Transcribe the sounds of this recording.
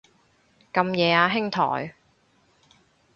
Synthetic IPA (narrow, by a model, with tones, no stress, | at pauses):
kɐ˧mjɛː˨˧aː˧ɦɪ˥ŋt̪ʰɔ̰ː˨˩j